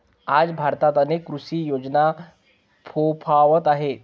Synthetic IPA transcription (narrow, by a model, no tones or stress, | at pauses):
ad͡zbʱaɾt̪at̪ənekːɾusiːjod͡zna | pʰopʰaʋət̪aɦe